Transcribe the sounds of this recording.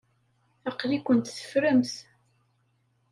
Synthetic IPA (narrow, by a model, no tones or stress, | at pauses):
ɑqlikʷːənt̪θə̥fɾəmθ